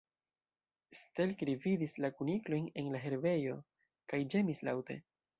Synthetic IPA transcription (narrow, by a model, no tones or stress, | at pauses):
ste̞lkɾividislakuniklo̞jne̞nlaɦe̞ɾve̞jo̞̰ | kajd͡ʒe̞misla̰wte̞̰